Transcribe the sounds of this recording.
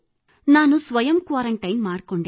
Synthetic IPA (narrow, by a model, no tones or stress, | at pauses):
naːnusʋɐjɐmkʋaːɾɐɳʈɐjnmaːɽɐkoːɳɖe